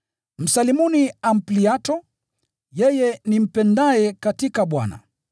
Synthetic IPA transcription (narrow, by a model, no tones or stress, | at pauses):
m̩salimuniam̩pliatɔ | jɛjɛnim̩pɛndaɛkatikaɓwa̰na̰